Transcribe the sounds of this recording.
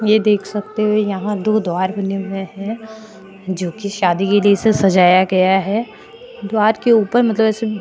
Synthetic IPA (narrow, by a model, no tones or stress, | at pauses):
jed̪eːkʰsɐk̚t̪eɦejɐɦãd̪oːd̪waːɾbɐneɦẽɦɛ̃ | d͡ʒõːkiʃaːd̪ikeliesesɐd͡ʒaːjaɡɐjaɦɛ | d̪waːɾkeuːpəɾmɐt̪ləbɛːse